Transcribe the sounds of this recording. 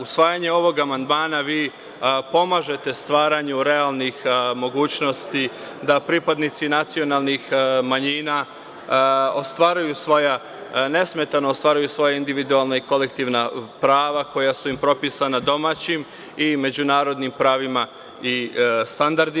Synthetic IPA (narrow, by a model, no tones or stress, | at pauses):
usʋaːjaɲe̞o̞ʋo̞ɡamand̪maːnaʋiː | po̞maːʒe̞t̪e̞st̪ʋaːɾaɲuɾe̞alnixmo̞ɡuːt͡ɕno̞st̪i | d̪apɾipad̪nit̪sinat̪sio̞naːlˠnixmaɲiːna | ost̪ʋaːɾajusʋo̞ja | ne̞sme̞t̪anoost̪ʋaːɾajusʋo̞jaind̪iʋid̪ualˠnaiko̞le̞kt̪iːʋnapɾaːʋako̞jasuimpɾo̞piːsanad̪o̞maːt͡ɕim | ime̞d͡ʑunaːɾo̞d̪nimpɾaːʋima | ist̪and̪aɾd̪i